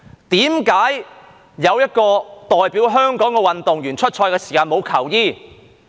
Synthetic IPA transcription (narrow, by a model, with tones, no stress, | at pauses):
t̪iː˨˥mkaː˨˥j | jɐ˨˧wjɐ˥t̚kɔː˧t̪ɔː˨jpiː˨˥wɦœː˥ŋkɔː˨˥ŋkɛ˧wɐ˨nt̪ʊ˨ŋjyː˨˩nt͡ʃʰɵ˥t̚t͡ʃʰɔː˧jkɛː˧siː˨˩kaː˧nmo˨˧wkʰɐ˨˩wjiː˥˩